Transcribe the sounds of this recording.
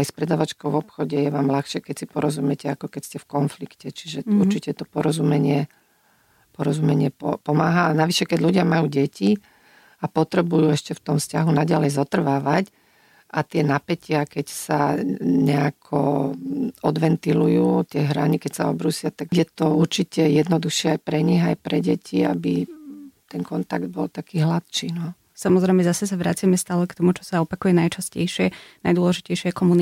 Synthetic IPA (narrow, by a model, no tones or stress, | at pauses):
ajspɾɛd̪aːʋat͡ʃkɔʊʋɔpxɔɟɛjɛʋaːmlaxʃɪɛkɛcsipɔɾɔzumɛcɛakɔkɛcscɛfkɔnflikcɛt͡ʃiʒɛuɾt͡ʃicɛt̪ɔpɔɾɔzumɛɲɪɛ | pɔɾɔzumɛɲɪɛpɔpɔmaːɦaːnaʋiʃɛkɛɟʎuɟɪamajuːɟɛcʰi | apɔt̪ɾɛbujuːɛʃcɛft̪ɔmfscaɦunaɟalɛjzɔt̪r̩ʋaːʋac | ʔat̪ɪɛnapɛcɪakɛcsaɲɛakʰɔ | ɔd̪ʋɛnt̪ilujuːt̪ːɪɛɦɾa̰ɲikɛcsaɔbɾuːsɪat̪aɡjɛt̪ɔuɾt͡ʃicɛjɛd̪nɔd̪uxʃɪɛajpɾɛɲiɣajpɾɛɟɛcʰia̰bit̪ɛnkɔnt̪aɡd̪̚bɔlt̪akiːɦlat̪ʃt͡ʃiːnɔ | samɔzɾɛjmɛzasɛsaʋɾat͡sɪamɛst̪aːlɛkt̪ɔmut͡ʃɔ̥saɔpakujɛnajt͡ʃascɛ̰jʃɪɛnajd̪ʊɔlɛʒicɛjʃɪɛkɔmuni